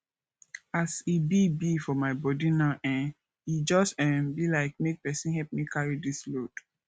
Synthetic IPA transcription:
asibibifɔmaɪbɔdinaʊʔɛ̃n | id͡ʒɔsɛ̃mbilaɪk̚mek̚pɛsĩnhɛlp̚mikʰaɹidislod̥

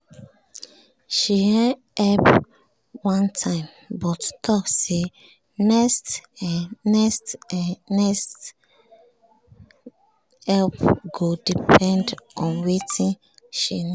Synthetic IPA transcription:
ʃiɛ̃ | ɛp | wãntʰãɪ̃m | bɔttʰɔkse | nɛst | nɛstnɛst | hɛlpɡodipʰɛ̃ndɔ̃nwetĩn | ʃi

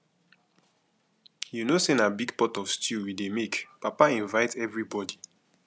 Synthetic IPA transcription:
junosẽnabiɡpɔtɔfstʰuwidemekpapaĩnvaɪtʰɛvɹibɔdi

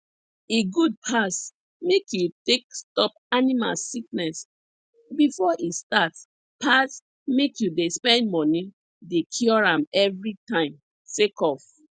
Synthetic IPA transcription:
eɡud̚pʰas | mekjutek̚stɔp̚ | anima̰lsik̚nɛs | bifɔʔistats | pʰas | mekjudespɛ̃nd̚mɔ̃ni | dekʰjɔɹãmɛvɹitãɪ̃m | sekɔf

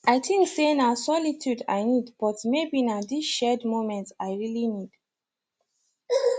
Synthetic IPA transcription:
ʔaɪtʰĩŋksenasɔlitʰjuda̰ɪnidb̥ɔtmebinadisʃɛdmomɛ̃ntaɪɹilinid̥

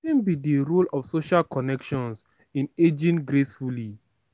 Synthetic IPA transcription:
ĩnbidiɾulɔfsoʃalkɔnɛkʃɔ̃ns | ĩned͡ʒĩnɡɾesfuli

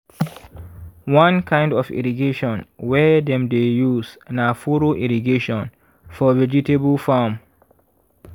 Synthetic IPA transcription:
wãnkʰãɪ̃ndɔfḭɹiɡeʃɔ̃nwɛdɛ̃mdejusnafoɹoʔiɹiɡeʃɔ̃n | fɔvɛd͡ʒitebəlfam

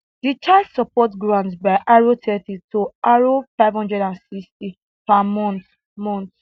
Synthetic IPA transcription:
dit͡ʃʰasɔpɔtɡɹãntbaɪʔaɹotʰɛtitʰoaɹofaɪvhɔ̃ndɹɛdãnsisti | pamɔ̃nθ | mɔ̃nt

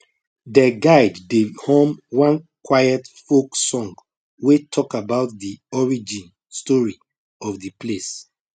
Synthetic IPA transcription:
dɛɡaɪddehõmwãnkwajɛtfoksɔ̃ŋɡ | wetʰɔkabaʊt̚diɔɹid͡ʒĩn | stɔɹi | ɔfdiples

